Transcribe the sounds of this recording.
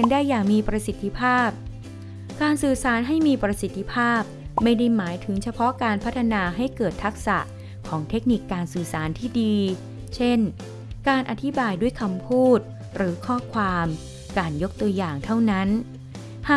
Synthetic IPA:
ndaː˥˩jːaː˨˩ŋmiː˧pɾa˧si˨˩t̪ʰːi˧pʰaː˥˩p̚ | kaː˧nsɯː˨˩saː˩˦nɦa˥˩jmiː˧pɾa˧si˨˩t̪ʰːi˧pʰaː˥˩p̚ma˥˩jda˥˩jmaː˩˦jt̪ʰɯ˩˦ŋt͡ɕʰa˧pʰɔ˦˥kaː˧npʰa˦˥t̪ʰːa˧naː˧ɦa˥˩jkɤː˨˩t̪ʰːa˦˥k̚sa̰˨˩ʔ | kʰɔː˩˦ŋt̪ʰe˦˥k̚ni˨˩kːaː˧nsɯː˨˩saː˩˦nt̪ʰiː˥˩diː˧ | t͡ɕʰe˥˩n | kaː˧nʔa˨˩t̪ʰi˦˥baː˧jdu˥˩əjkʰa˧mpʰuː˥˩t̪̚ | ɾɯː˩˦kʰɔː˥˩kʰwaː˧m | kaː˧njo˦˥k̚t̪u˧ɐjaː˨˩ŋt̪ʰa˥˩wna˦˥n | haː˨˩

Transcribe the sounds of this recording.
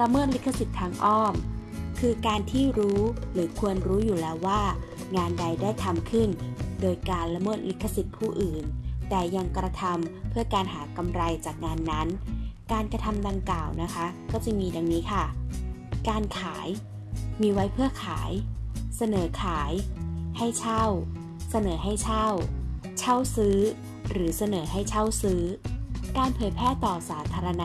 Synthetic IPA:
ɾa˧mɤː˥˩t̪̚li˦˥kʰːa˧˩si˨˩t̪ʰːaː˧ŋʔɔː˥˩mkʰɯː˧kaː˧nt̪ʰiː˥˩ɾuː˦˥ɾɯː˩˦kʰu˧ənɾuː˦˥juː˨˩lɛː˦˥wːaː˥˩ | ŋaː˧nda˧jdaː˥˩jt̪ʰa˧mkʰɯ˥˩ndoː˧jkaː˧nla˧mɤː˥˩t̪̚lkʰːa˧si˨˩t̪̚pʰuː˥˩ʔɯː˨˩nt̪ɛː˨˩ja˧ŋkɾa˧t̪ʰa˧mpʰɯ˥˩ɐkaː˧nɦaː˩˦ka˧mɾa˧jt͡ɕaː˨˩k̚ŋaː˧nːa˦˥nkaː˧nkɾa˧t̪ʰa˧mda˧ŋklaː˨˩wna˦˥kʰa˦˥kɔː˥˩t͡ɕi˨˩ŋmiː˧da˧ŋniː˦˥kʰa˥˩ | kaː˧nkʰaː˩˦j | miː˧wa˦˥jpʰɯ˥˩ɐkʰaː˩˦jsa˧nɤː˩˦kʰaː˩˦jha˥˩jt͡ɕʰa˥˩w | sa˧nɤː˩˦ɦa˥˩jt͡ɕʰa˥˩wt͡ɕʰa˥˩wsɯː˦˥ | ɾɯː˩˦sa˧nɤː˩˦ɦa˥˩jt͡ɕʰa˥˩wsɯː˦˥kaː˧npʰɤː˩˦jpʰɛː˥˩t̪ɔː˨˩saː˩˦t̪ʰaː˧ɾa˧na˦˥

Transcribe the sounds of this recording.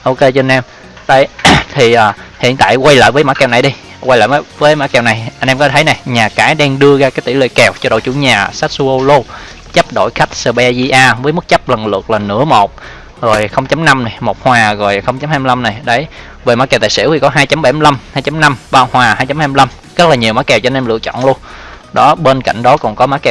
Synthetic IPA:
ʔo˧ke˧t͡ɕːnʔɛ˧m | ɗə˨˧˦jt̪ʰi˨˩ʔəː˨˩hḭ˧˨ənt̪a̰ː˧˨jkwa˧jlə̰ː˧˨jvəː˨˦jmaː˧˥kɛ˨˩wna˨˩jɗi˧ | wa˧jlə̰ː˧˨vəː˨˦vəː˨˦jmaː˧˥kɛ˨˩wna˨˩jʔa˧jnʔɛ˧mkɔ˨˧˦t̪ʰə˨˦jna˨˩jɲaː˨˩kaː˨˦jɗɛ˧ŋɗɨ˧əzaː˧kaː˨˦jt̪i˧˩˦lwḭ˧˨kɛ˨˩wt͡ɕɔ˧ɗo̰˧˨t͡ɕu˧˦ɲaː˨˩sa˦˥t̚su˧ʔo˧lo˧ | t͡ɕə˦˥p̚ɗo̰˧˩˨jxa˦˥jk̟̚səː˧ɓe˧zi˧ʔaː˧və˨˦jmɨ˦˥k̚t͡ɕə˦˥p̚lə˨˩ŋlɨ̰˨˩ək̚laː˨˩nɨ̰˧˥əmo˨˩t̚ | ɣo˨˩jxə˧wŋ͡mt͡ɕa˨˦mna˧mna˨˩jmo˨˩t̚hwaː˨˩ɣo˨˩jxə˧wŋ͡mt͡ɕa˨˦mhaː˧mi˧la˧mna˨˩jɗə˨˦j | ve˨˩maː˨˦˥kɛ˨˩wt̪a̰ː˧˨sḭ˧˥əwt̪ʰi˨˩kɔ˨˦ɦaː˧jt͡ɕa˨˦mɓa˧˩jmi˧la˧mhaː˧jt͡ɕa˨˦mna˧mɓaː˧whwaː˨˩haː˧jt͡ɕa˨˦mhaː˧m˧la˧m | zə˦˥t̚laː˨˩ɲi˨˩əma˨˦kɛ˨˩wt͡ɕɔ˧nɛ˧mlɨ̰˧˨ət͡ɕɔ̰˧˨nlu˧ən | ɗɔ˨˦ɓe˧nka̰˧˨jŋ̟ɗɔ˨˦kɔ̰˨˩nkɔ˨˦maː˨˥kɛ˨˩

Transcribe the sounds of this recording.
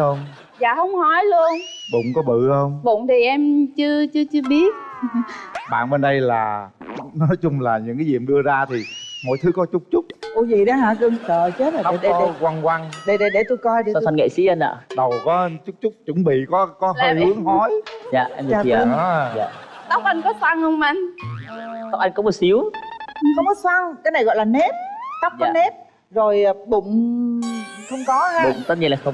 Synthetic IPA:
ə˧wŋ͡m | za̰ː˧˨ɦə˧wŋ͡mhɔ˨˦jlu˧ənɓʊ̰˧˨ŋ͡mkɔ˨˦ɓɨ̰˧˨hə˧wŋ͡mɓʊ̰˧˨˩ŋ͡mt̪ʰi˨˩ʔɛ˧mt͡ɕɨ˧ət͡ɕɨ˧t͡ɕɨ˧əɓi˦˥ət̚ | ɓa̰ː˧˨nɓe˧nɗə˧jlaː˨˩nɔ˨˦jt͡ɕʊ˧ŋ͡mlaː˨˩ɲɨ̰˧˥ŋkaː˨˦zḭ˨əmɗɨ˧əzaː˧t̪ʰi˨˩mo̰˧˨jt̪ʰɨ˨˦kɔ˨˦t͡ɕʊ˦˥k͡p̚t͡ɕʊ˦˥k͡p̚ʔu˧˩zḭ˧˨ɗə˨˦ɦa̰ː˧˨kɨ˧əŋsəː˧˨t͡ɕe˨˦a˨˦˨ɗe˧kwa˧ŋkwa˧ŋɗə˧˩ɗə˧˩ɗe˧˩t̪u˧jkɔ˧jɗe˨˩˨ŋə̰˧˨sḭ˧˥ʔə˧na̰ː˧˨ɗə˨˩wkɔ˨˦ə˧nt͡ɕʊ˦˥k͡p̚t͡ɕʊ˦˥k͡p̚t͡ɕʊ˨˦ŋ͡mɓḭ˧˨kɔ˨˦kɔ˨˦ɦləː˧jhɨ˨˦əŋɦɔ˨˦jza̰ː˧˨ʔɛ˧mː˨˩˧i˨˦ə˧ja̰ː˧˨ɗ̪a˦˥wk̚ʔa˧jŋ̟kɔ˨˦swaː˧ŋhə˧wŋ͡ma˧˩ŋ | ɗ̪ɔ˦wk̚ʔa˧jŋkɔ˨˦m˨˩t̚si˨˦əwxə˧wŋ͡mɔ˨˦swaː˧ŋkaː˨˦jna˨˩jɣɔ̰˧˨laː˨˩ne˦˥p̚t̪a˦˥k͡p̚ɔː˨˧˨ne˦˥p̚ | zo˨˩jɓʊ̰˧˨ŋ͡m | xə˧wŋ͡mkɔ˨˦haː˧ɗʊ̰˧˩˨ŋ͡mt̪ə˦˥ɲi˧˩nlaː˨˩xə˧wŋ͡m

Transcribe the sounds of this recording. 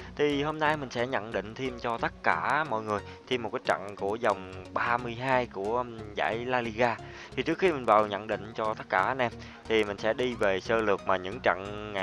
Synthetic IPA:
t̪ʰi˨˩ho˧mna˧jmï˨˩ŋ̟sɛ̰˧˥ɲə̰˧˨nɗḭ̈˧˨ŋ̟t̪ʰi˧mt͡ɕɔ˧t̪ə˦˥t̚kaː˧˩mɔ̰˧˨jŋɨ˨˩əj | t̪ʰi˧mo˨˩kaː˦j̚t͡ɕa̰˧˨ŋku˧˩əzə˨˩wŋ͡mɓaː˧mɨ˧əjɦaː˧jku˧˩əza̰ː˧˩jlaː˧li˧ɣaː˧ | t̪ʰi˨˩t͡ɕɨ˦˥ək̚xi˧m˨˩ŋ̟vaː˨˩wɲə̰˧˨nɗḭ̈˧˨ŋ̟t͡ɕɔ˧t̪ə˦˥t̚kaː˧˩˧nʔɛ˧m | t̪ʰi˨˩mï˨˩ŋ̟sɛ̰˧˥ɗi˧ve˨˩səː˧lɨ˨˩ək̚maː˨˩ɲɨ̰˧˥ŋt͡ɕə̰˧˨ŋ˨

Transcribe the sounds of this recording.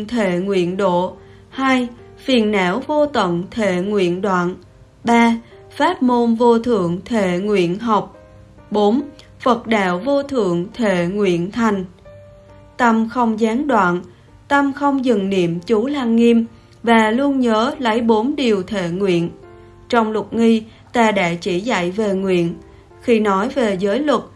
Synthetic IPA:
t̪ʰḛ˧˨ŋwḭ˧˨ənɗo̰˧˨ | haː˧jfi˨˩ənːaː˧˥wvo˧t̪wə̰˧˨nt̪ʰḛ˧˨ŋwḭ˧˨ənɗwa̰ː˧˨n | ɓaː˧ | faː˦˥t̚mo˧nvo˧t̪ʰɨ̰˧˨əŋt̪ʰe˧˨ŋwḭ˧˨ənɦa˨˩wk͡p̚ | ɓo˨˦n | fə˨˩t̚ɗa̰ː˧˨wvo˧t̪ʰɨ̰˧˨əŋt̪ʰḛ˧˨ŋwḭ˧˨ənt̪ʰa˨˩jŋ̟ | t̪ə˧mxə˧wŋ͡mzaː˨˦ŋɗwa̰ː˧˨n | t̪ə˧mxə˧wŋ͡mzɨ˨˩ŋnḭ˧˨əmt͡ɕu˨˦laː˧ŋːi˧m | vaː˨˩lu˧ənɲəː˨˦lə˨˦jɓo˨˦nɗi˨˩əwt̪ʰḛ˧˩˨ŋwḭ˧˨ən | t͡ɕɔ˧wŋ͡mlə˨˩t̚ŋi˧ | t̪aː˧˩ɗa̰ː˧˥t͡ɕi˧˩za̰˧˨jve˨˩ŋwḭ˧˨ən | xi˧nɔ˨˦jve˨˩zəː˨˦jlwə˨˩t̚

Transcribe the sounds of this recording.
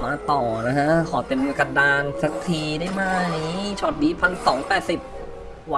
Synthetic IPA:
maː˧˩t̪ɔː˨˩na˦˥kʰa˦˥kʰɔː˨˩t̪e˨˧˩nmɯ˧˦ka˧daː˧nsa˦˥k̚t̪ʰiː˧daː˥˩jmaː˥˩niː˦˥t͡ɕʰɔː˥˩t̪̚diː˨˦˥pʰa˧ŋsɔː˩˦ŋpɛː˨˩t̪̚si˨˩p̚ | wa˧˦

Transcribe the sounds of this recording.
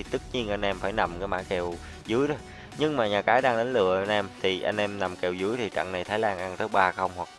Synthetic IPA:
i˨˩t̪ɨ˦˥k̚ɲi˧ənʔa˧jŋʔɛ˧mfaː˧˩jna˨˩mkaː˨˦jma̰ː˧˥˩kɛ˨˩w | zɨ˨˦jɗɔ˨˦ | ɲɨ˧ŋmaː˨˩ɲaː˨˩kaː˨˦jɗaː˧ŋɗə˨˦n̟lɨ̰˧˨əʔa˧jnʔɛ˧mt̪ʰi˨˩ʔa˧jn̟ʔɛ˧mna˨˩mkɛ˨˩wzɨ˨˦jt̪ʰi˨˩t͡ɕa̰˧˨ŋna˨˩jt̪ʰaː˨˦jlaː˧nʔa˧nt̪əː˨˦jɓaː˧xə˧wŋ͡mhwa˨˩k̚

